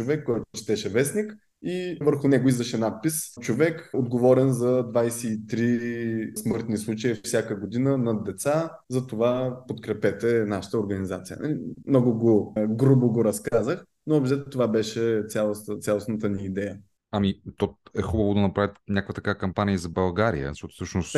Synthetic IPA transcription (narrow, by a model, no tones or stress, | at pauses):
t͡ʃovɛkːɔjt̪ʊt͡ʃɛ̥t̪ɛʃɛvɛsnik | ivəɾxʊnɛɡoizvɐʃɛnat̪̚pist͡ʃovɛkod̪ɡovɔɾɛnzɐd̪vajsɛit̪ɾismɤɾt̪nislˠut͡ʃəiffsʲjakəɡod̪inənɐd̪ɛt̪sazɐt̪ovapot̪kɾɛpɛt̪ɛnaʃə̥t̪əʊɾɡɐnizat̪sijə̰nɐ̰limnɔɡʊɡoɡɾuboɡoɾɐskazəx | noɐbʒɛt̪t̪ovabɛʃɛt̪sʲalˠost̪ət̪sʲalˠosnət̪əniːd̪ɛjə | ɐmit̪ɔɛxubəvod̪ɐnɐpɾavʲət̪nʲakvɐt̪ɐkavəkɐmpanʲiizɐbɐlˠɡaɾḭə̰nʃɔt̪fsɤʃnost̪